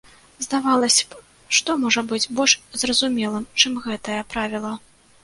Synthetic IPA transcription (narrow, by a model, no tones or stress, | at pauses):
zd̪avalˠɐsʲɐ̥ | ʂt̪ɔmɔʐɐbɨd͡zʲbɔlʲʂzrɐzumʲɛlˠɨmt͡ʂɨmɣɛt̪ɐjɐpɾavʲilˠɐ